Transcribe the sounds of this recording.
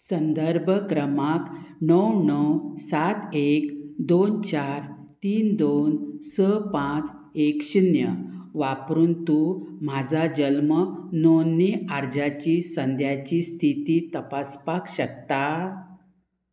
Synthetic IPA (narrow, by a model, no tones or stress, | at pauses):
sənd̪əɾbʱəkɾəmaknəwnəwsat̪ekd̪ont͡ɕaɾ | t̪iːnd̪onsəpãt͡s | ekɕinjəʋapɾuːnt̪um̤ad͡zʱad͡ʑəlmənonːeaɾd͡ʑat͡ɕiːsənd̪ʱjat͡ɕiːst̪ʰit̪iːt̪əpaspakɕək̚t̪a